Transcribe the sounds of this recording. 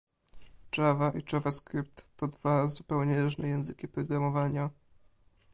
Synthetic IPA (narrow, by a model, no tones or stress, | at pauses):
t͡ʂavaʔit͡ʂavaskɾɘp̚t̪ːɔd̪vazupɛwɲɛɾuʐnɛjɛ̃w̃zɘkʲipɾɔɡɾamɔvaɲa